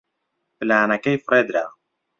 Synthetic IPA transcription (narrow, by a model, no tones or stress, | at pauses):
plaːnakejfɾɛd̪ɾa